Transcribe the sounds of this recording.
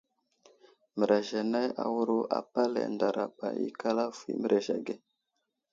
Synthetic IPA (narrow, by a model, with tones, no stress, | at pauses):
mə˨ɾa˨ʒa˨na˦ja̰˨wu˦ɾu˦a̰˨pa˦lḛ˨nda˨ɾa˨ba̰˨jḭ˦ka˦la˦fḭ˨mə˦ɾʔe˨ʒa˨ɡe˦